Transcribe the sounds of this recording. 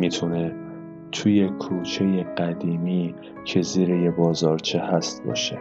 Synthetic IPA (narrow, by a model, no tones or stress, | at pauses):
mit̪ʰune̞ | t̪ʰuje̞kʰuːt͡ʃʰe̞je̞ɢæd̪iːmiː | cʰe̞ziːɾeje̞bɒːzɒːɾt͡ʃʰe̞hæst̪̚bɒ̰ːʃe̞